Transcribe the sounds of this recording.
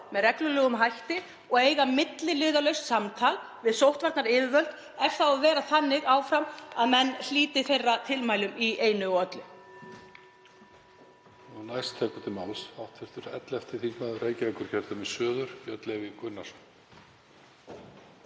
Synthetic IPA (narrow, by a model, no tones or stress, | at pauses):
mɛðrɛklʏlœːɣʏmɦajht̪ɪ | ɔɣeːjɣamɪt̪lɪlʏːðalœɥst̪samt̪ʰal | vɪðsowht̪vaɾt̪naɾɪːvɪvœlt̪ | ɛfθaavɛːɾaθanːɪɣaːwfɾamaðmɛnːl̥iːt̪ɪθejrːat̪ʰɪlmaːjlʏmieːjnʏɔœt̪lʏ | ɔnajst̪ʰːɛːkʏ̥t̪ʰɪlmalsawht̪fɪɾ̥t̪ʏɾɛ̰t̪lɛft̪ɪθiŋknaðʏɾeːjcɪvɛkːʏɾ̥çɛɾ̥t̪amɛðsœːðʏɾ̥œt̪lɛvɪkʏnːas